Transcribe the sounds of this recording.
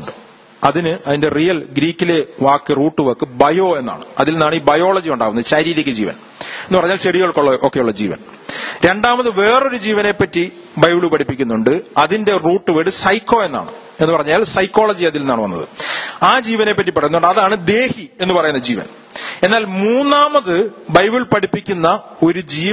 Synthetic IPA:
ɖɨ | ɐðinɨʔɐðinde̞rijɐlɡɾiːkʲːile̞ʋaːkːɨruːʈːɨʋɐkːɨbɐjo̞ːe̞nːa̰ːɳɨɐðilenːaːɳiːbɐjo̞ːɭɐd͡ʑiuɳɖaːɣunːɐðɨɕɐɾiːɾɐkʲːɨd͡ʑḭːʋɐ̰n | e̞nːɨpɐrɐɲːaːlt͡ɕeɽiɣɐɭkoɭːɐʔoːkːe̞juɭːɐd͡ʑḭːʋɐ̰n | ɾe̞ɳɖaːmɐðɨʋe̞ːro̞ɾud͡ʑiːʋɐne̞pːɐtːi | bɐjbɭupɐʈʰipːikʲːunːuɳɖɨɐðinde̞ruːʈːɨʋeːɽɨsɐjkːo̞ːe̞nːa̰ːɳɨ | e̞nːupɐrɐɲːaːlsɐjkːo̞ːɭɐd͡ʑiɐðilenːaːɳɨʋɐnːɐ̰ðɨ̰aːd͡ʑiːʋɐne̞pːɐtːipːɐrɐjunːuɳɖɐðaːɳɨd̪e̞ːhie̞nːɨpɐrɐjunːɐd͡ʑiːʋɐ̰n | e̞nːaːlmuːnːaːmɐðɨbɐjbiɭpɐʈipːikʲːunːɐ | o̞ɾud͡ʑiː

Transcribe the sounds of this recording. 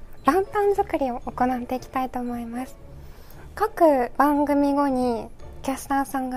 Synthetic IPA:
ɾãmp̪ãnzɨkɯ̟ɾʲio̞ʔːko̞nat̪ːe̞ikʲi̥t̪ait̪o̞ːmo̞imasɨ̥ | kakɯ̟b̥ãŋɡɯ̟mʲiɡo̞ɲ̟ikʲasɨ̥t̪ãɰ̃sãŋɡa

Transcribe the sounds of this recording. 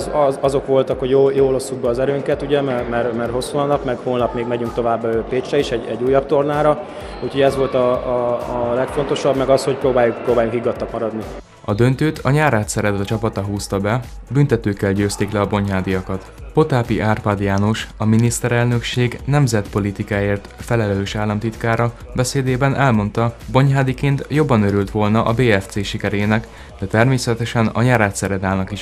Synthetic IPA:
zɒzo̞kʋo̞lt̪ɒkhoɟjojoːlo̞sːuɡ̚bɛːzɛɾøːŋkɛt̪uɟɛmɛmɛrmɛrɦo̞sːuɒnɒpmɛɡhoːlnɒpmeːɡmɛɟyŋk̚t̪o̞vaːbːøːpeːt͡ʃrɛiʃɛɟɛ̰ɟːuːjːɒp̚t̪o̞rnaːɾɒ | uːcʰho̞ɟɛzʋo̞lt̪ɒː | lɛkfo̞nt̪o̞ʃɒbmɛɡɒsho̞cpɾoːbaːjukprɾoːbaːjuŋkhiɡːɒt̪ːɒkmɒɾɒd̪ni | ɒd̪ø̞nt̪øːt̪ʰɒɲaːɾaːt̪sɛɾɛt̪ɒt͡ʃɒpɒt̪ɒɦuːst̪ɒbɛ | bynt̪ɛt̪øːkːɛlɟøːst̪eːklɛɒbo̞ɲɦaːd̪ijɒkɒt̪po̞t̪aːpiʔaːrpad̪jaːno̞ʃɒminist̪ɛɾɛlnø̞kʃeːɡnɛmzɛt̪po̞lit̪ikaːjeːrt̪fɛlɛlløːʃaːlːɒmt̪it̪kaːɾɒbɛseːd̪eːbɛnʔɛlmo̞nt̪ɒbo̞ɲɦaːd̪ikeːnt̪jo̞bːɒnøɾylt̪ʋo̞lnɒʔɒbeːɛft̪seːʃikɛɾeːnɛk | d̪ɛt̪ɛrmeːsɛt̪ɛʃɛnɒ̰ɲaːɾaːt̪sɛɾɛd̪aːlnɒkiʃ

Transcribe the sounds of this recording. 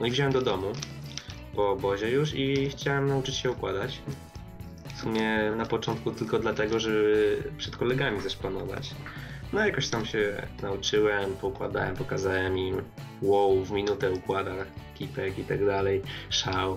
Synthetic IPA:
nɔivʑawɛmd̪ɔd̪ɔmu | pɔːbɔʑɛjuʂixt͡ɕawɛmnaut͡ʂɘ̥t͡ɕɕɛukwad̪at͡ɕ | fsumʲjɛnapɔt͡ʂɔnt̪̚kut̪ɘlkɔd̪lat̪ɛɡɔʐɛbɘpʂɛt̪kɔlɛɡamʲizɛʂpanɔva̰t͡ɕnɔjakɔɕt̪amɕɛnaut͡ʂɘwɛmpɔukwa̰d̪a̰wɛmpɔkazawɛmim | wɔwvmʲinut̪ɛukwad̪akʲʰipɛkit̪aɡd̪alɛjʂaw

